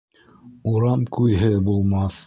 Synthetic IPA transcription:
uɾɑmkʉðɦɘbulˠmɑθ

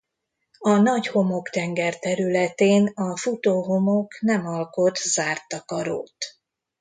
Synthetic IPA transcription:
ɒnɒɟho̞mo̞kt̪ɛŋɡɛrt̪ɛɾylɛt̪eːnɒfut̪oːɦo̞mo̞knɛmɒlko̞t̪z̥aːrt̪ɒkɒɾo̰ːt̪

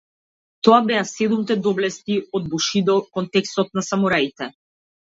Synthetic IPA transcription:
t̪ɔabɛasɛd̪umt̪ɛd̪ɔblɛst̪iɔd̪̚buʃid̪ɔkɔnt̪ɛkst̪ɔt̪̚nasamɔɾait̪ɛ

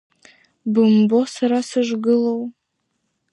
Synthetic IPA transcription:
bɨmbosaɾasɨʒʷɡɨlow

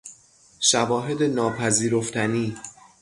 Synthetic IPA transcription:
ʃævɒːɦe̞d̪e̞nɒːpʰæziːɾoft̪ʰæniː

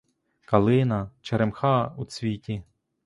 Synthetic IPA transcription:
kɐlˠɪnɐt͡ʃeɾemxɑut͡sʲʋʲitʲi

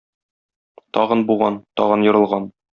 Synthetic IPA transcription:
t̪ɒʁɤnbuʁɑnt̪ɒʁɤnjŏɾɤ̆lˠʁɑn

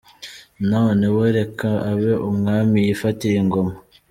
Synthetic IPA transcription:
nawoneweɾekaaβeʔumŋaːmijifatiɾeŋɡoma

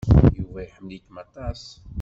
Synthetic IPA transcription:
juwæjħəmlikmæt̪ˤɑs

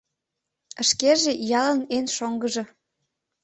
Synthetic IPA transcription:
ə̆ʃkeʒejɑlənenʃoŋɡəʒɤ̆

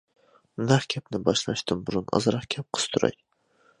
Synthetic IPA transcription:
naχkʲʰap̚nɪbɒʃlaʃt̪ɪmbʊɾʊnɒ̰zɾɑχkʲʰap̚qʰɨ̥st̪ʰʊɾa̰j

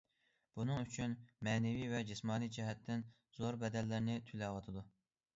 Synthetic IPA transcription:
b̥unɨŋyt͡ʃʰynmɛːnɛvivɛd͡ʒismɑːnid͡ʒɛɦɛt̪ʰːɪn | z̥oɾbɛd̪ɛlːɪɾnɪt̪ʰylɛwɑt̪ʰɨd̪u

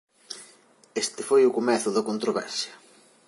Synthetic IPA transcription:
est̪ɪfojʊkomɛθʊðɐkont̪ɾoβɛ̰ɾsjɐ

